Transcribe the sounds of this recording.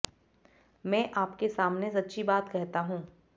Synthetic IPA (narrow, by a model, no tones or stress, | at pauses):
mɛ̃ːʔaːpkesaːmnes̬ɐtːʃʰibaːt̪kɛɦt̪aɦũː